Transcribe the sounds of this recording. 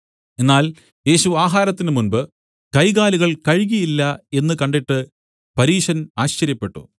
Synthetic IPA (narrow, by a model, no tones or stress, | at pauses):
e̞nːaːl | e̞ːɕuaːɦaːɾɐt̪ːinɨmunbɨ | kɐjɣaːliɣɐɭkɐɻɣijilːɐe̞nːɨkɐɳɖiʈːɨ | pɐɾiːʂɐnaːɕt͡ɕɐɾjɐpːe̞ʈːṵ